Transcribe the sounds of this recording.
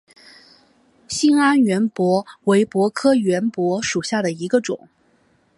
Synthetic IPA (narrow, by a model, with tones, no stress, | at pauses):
ɕi˥na˥nɥɛ˧˥npwɔ˧˥we˧˥ɪpwɔ˧˥kʰɤ˥ɥɛ˧˥npwɔ˧˥ʂu˨˩ɕja˥˩d̪ə˩i˧˥ɡə˧ʈ͡ʂʊ̰˨˩˦ŋ